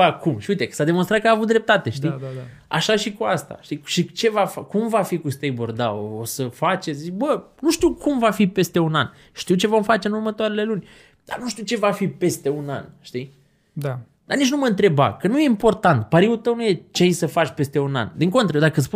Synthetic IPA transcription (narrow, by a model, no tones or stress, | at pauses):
akumʃiujt̪e̞kə̥sad̪e̞monst̪ɾat̪kəaːvut̪d̪ɾe̞p̚t̪at̪e̞ʃt̪i | a̰ʃaʃikuast̪a̰ʃt̪iʃit͡ʃe̞vafakumvafikust̪ejbord̪a̰oosəfat͡ʃezit͡ʃbənuʃt̪iuwkʰumvafipe̞st̪e̞unan | ʃt̪iwt͡ʃe̞vo̞mfat͡ʃe̞ɨnurmət̪oaɾe̞le̞lunʲ | d̪̥a̰rnuʃt̪iuwt͡ʃe̞vafipe̞st̪e̞una̰nʃt̪i | d̪a | d̪arnit͡ʃnuməɨnt̪ɾe̞ba̰kənuje̞impo̞rt̪ant̪paɾiult̪əwnuje̞t͡ʃeejsəfat͡ʃʲpe̞st̪e̞una̰nd̪iŋko̞nt̪ɾəd̪akəspu